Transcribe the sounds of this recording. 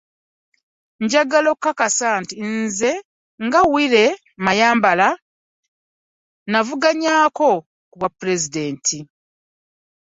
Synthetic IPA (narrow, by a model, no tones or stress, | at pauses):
ɲɟaɡalo̞kːakasaːntinze̞ | ŋɡawiɾe̞ | majaːmbala | navuɡaɲaːko̞ | kuβwapːuɾe̞zide̞ːntʰi